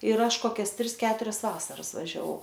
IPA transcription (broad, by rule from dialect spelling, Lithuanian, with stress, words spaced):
ɪr ˈɐʃ ˈkoːkʲɛs ˈtʲrʲɪs ˈkʲæːtʊrʲɛs ˈʋɑːsɐrɐs ʋɐʒʲɛˈʋɐʊ